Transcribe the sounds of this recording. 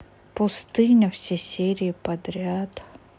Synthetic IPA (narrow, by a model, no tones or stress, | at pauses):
pʊst̪ɨnʲɐwsʲɛsʲɛɾʲiːpɐd̪ɾʲat̪